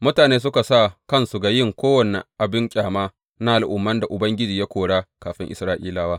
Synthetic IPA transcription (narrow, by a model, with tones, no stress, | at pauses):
mʊ˦taː˨neː˦s̬ʊ˦ka˨sa˦˨kɐ˦nsu˨ɡa˨jɪ˦ŋkʷoː˦wɐ˨ne˨ʔa˨bɪ˦ŋkʲʼaː˨maː˦ | na˦ʔa˨lʔʊ˨mːɐ˦nda˨ʔʊ˨bɐ˦ŋɡʲɪ˦d͡ʒiː˨ja˦kʷoː˨ɽaː˦kaː˨ɸɪ˦ŋʔɪ̰˨sɾaː˦ʔiː˦laː˦waː˦